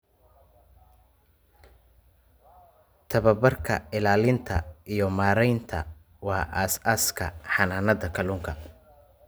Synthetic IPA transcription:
t̪ʰɐβɐbɐrkʰɐɪlaːlɪnt̪ʰɐ̰ijɞmaːɾɛjnt̪ʰɐ̰ | wɑːʔaːsaskʰɐ̰ħɑnaːnɐðɐkʰɐluːŋkʰɐ

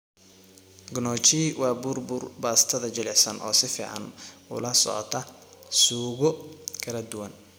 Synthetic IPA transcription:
ɡnɔːt͡ʃiːwɑːbʊrbʊrbaːst̪ʰɐðɐt͡ʃɪlɛħsɐnʔɔ̰ːsɪfiːʕɑ̰nʊ̰lɐsɔ̰ʕɔ̰t̪ʰɐ | suːɣɔkʰɐlɐd̪ʊwɐn

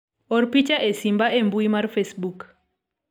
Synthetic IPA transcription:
ɔɾpit͡ʃaʔesimbaʔembuimaɾfesbuk

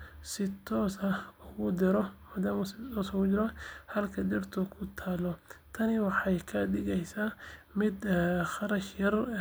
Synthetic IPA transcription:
sɪt̪ʰɔːsɐʊɣʊd̪ɪɾɔɔd̪ɐmsɪt̪ɔsɣʊd͡ʒɪɾɔhɐlkʰɐd̪ɪrt̪ʰɔkʰʊt̪ʰaːlɔt̪ʰɐnɪwɑħɑjkʰɐɖɪɣɛjsaː | mɪd̪χɑɾɐʃjɐr

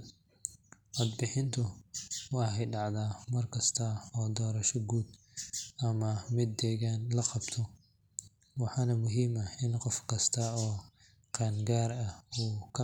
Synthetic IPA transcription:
ʔad̪bɪħɪnt̪ʰʊwɑːhɛjɖɑʕd̪aːmɐrkʰɐst̪ʰɐɔːd̪ɔːɾɐʃɔɡuːd̪ | ʔɐmɐmɪd̪ːɛːɣaːnlɐqɑb̥t̪ʰɔ | wɑħɑːnɐmʊɦiːmɐɪnqɔfkʰɐst̪ʰɐɔː | qɑːnɡaːɾɐuːkʰɐ

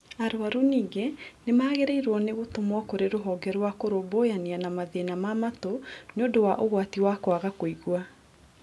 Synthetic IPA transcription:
aɾoaɾuniːɡenemaːɣeɾeiɾwɔneɣotomwɔkoɾeɾoɦɔɡɛɾwakoɾobojanianamaðenamamatoneondowaʔoɣwatiwakwaɣakoiɣwa

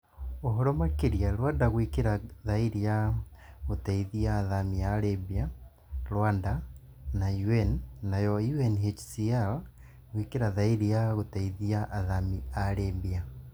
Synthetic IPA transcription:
oɦɔɾɔmakeɾiaɾwandaɣwikeɾaðaiɾia | ɣotaiðiaːðamiaɾebia | ɾwanda | najuɛnːajɔjuɛnɦet͡ʃsial | ɣwikeɾaðaiɾiaɣotaiðiaʔːðamiaɾembia

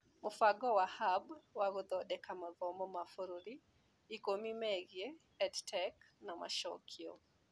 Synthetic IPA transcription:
mʊfaɡɔwahabwaɣʊd̪ɔdɛkamaðɔmɔmafoɾuɾiː | komimɛɡje | ɛdtʰɛknama̰ʃɔ̰kʰiɔ̰

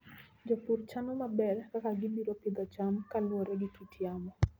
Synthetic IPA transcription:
d͡ʒɔpurt͡ʃanɔmabɛrkakaɡɪbiɾopɪd̪ɔt͡ʃamkalwɔɾɛɡɪtitʰjamɔ

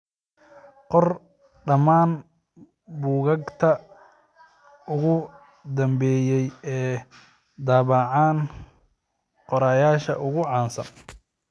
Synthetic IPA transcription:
qɔr | ɖɐmaːn | buːɣɐɡt̪ʰɐ | ʊɣʊ | d̪ɐmbɛːjɛjɛː | d̪aːβɑʕaːn | qɔɾaːjaːʃɐ̰ʔʊɣʊʕɑːnsɐ̰n

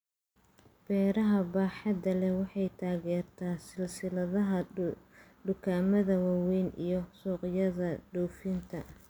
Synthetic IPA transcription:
b̥ɛːɾɐɦɐbaːħɑd̪ɐlɛwɑħɑjt̪ʰaːɣɛːrt̪ʰaːsɪlsɪlɐðɐɦɐ | ɖʊkʰaːmɐðɐwaːwɛjnʔḭjɞsuːqjɐðɐɖɔwfint̪ʰɐ

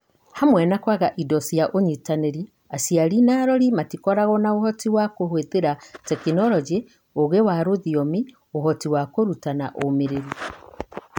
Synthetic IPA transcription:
hamwɛnakwaɣaʔidɔsiaʔoɲitaneɾi | asiaɾinaɾɔɾimatikɔɾaɣɔnaohɔtiwakohweðeɾatɛkinɔɾɔd͡ʒe | oɣewaɾoðiɔmi | ohɔtiwakoɾutanaʔomeɾeɾi

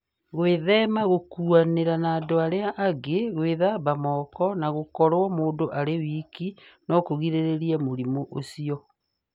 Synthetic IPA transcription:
ɣweðɛmaɣokuaneɾanaːdoaɾeaʔaɡeɣweðaβamɔkɔnaɣokɔɾwɔmoːndoʔaɾewiːkinɔkoɣiɾeɾeɾiamoɾimoʔosiɔ

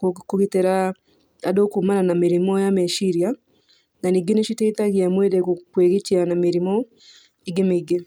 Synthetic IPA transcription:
kuɣiteɾa | adokumananamiɾimɔjameʃiɾja | naniɡeneʃiteitaɣiamwedekukweɣetianamiɾimɔ | iɡemiɡe

